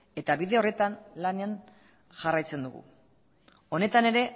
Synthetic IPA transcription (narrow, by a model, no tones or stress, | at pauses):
e̞t̪aβiðe̞o̞re̞t̪anlanean | ʝarajt͡se̞nd̪uɣṵ | o̞ne̞t̪ane̞ɾe̞